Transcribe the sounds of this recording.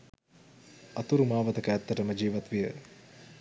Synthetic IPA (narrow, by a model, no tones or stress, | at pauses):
ɐt̪uɾumaːʋɐt̪ɐkəɛt̪ːɐʈəməd͡ʒiːʋɐt̪ʋijə